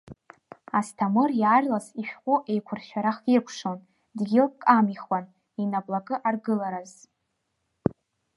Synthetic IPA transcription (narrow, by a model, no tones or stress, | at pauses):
astʰamɨrjarlasiʃᶣqʷʼʊʔe̞jkʷʰʊrʃʷᶣaɾaχirkʷʰʂo̞n | dɡʲilkʼamiχwan | inablaɡʼɨʔarɡɨlaɾaz